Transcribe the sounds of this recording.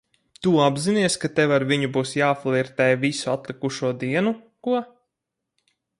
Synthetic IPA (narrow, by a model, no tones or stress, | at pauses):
t̪uabziniɛskat̪ɛvaɾviɲubuːsjaːflˠiɾt̪ɛjvisuat̪lˠikuʃuɔd̪iɛnu | kuɔ